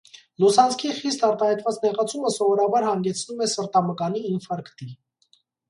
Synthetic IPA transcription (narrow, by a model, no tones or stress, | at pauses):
lusɑnt͡skʰiχist̪ɑɾt̪ɑhɛjt̪vɑt͡snɛʁɑt͡sʰuməsɔvɔɾɑbɑɾhɑŋɡɛt͡sʰnumɛsəɾt̪ɑməkɑniːnfɑɾkt̪i